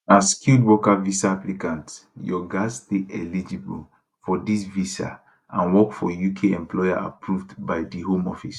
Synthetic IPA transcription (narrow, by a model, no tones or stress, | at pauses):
askildwɔkavisaaplikãntjɔɡasteɛlid͡ʒibul | fɔdisvisa̰ | ãnwɔkfɔjukʰeɛ̃mplɔjaa̰pʰɹuvdbaɪdiɦõmɔfis